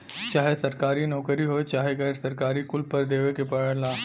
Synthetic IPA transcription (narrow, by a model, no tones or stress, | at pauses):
t͡ʃaːɦesəɾkaːɾiːnɔːkəɾiːɦojt͡ʃaːɦeɡəɾsəɾkaːɾiːkʊlpəɾd̪eːʋekepəɭəlaː